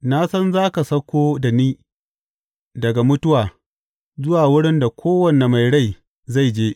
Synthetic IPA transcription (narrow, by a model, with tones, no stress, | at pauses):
na˦sɐ˦nzaː˦ka˨sɐ˦kʷoː˦da˨niː˦ | dɐ˨ɡa˨mʊ˦tʊ˦waː˨ | zʊ˦waː˨wʊ˦ɽɪ˦nda˨kʷoː˦wɐ˨ne˨ma˨jɽa˦˨j | za˦˨jd͡ʒeː˦ʔ